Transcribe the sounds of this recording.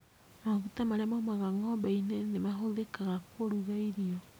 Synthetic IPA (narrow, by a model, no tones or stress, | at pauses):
maɣutamaɾemamaɣaŋɔbainenemaɦoðekaɣakoɾuɣaiɾiɔ